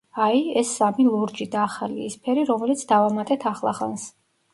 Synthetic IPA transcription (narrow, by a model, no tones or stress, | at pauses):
aiɛsːamilˠuɾd͡ʒid̪aːχalḭispʰɛɾiɾɔmɛlit̪sʰd̪avamat̪ʼɛt̪ʰaχlˠa̰χa̰ns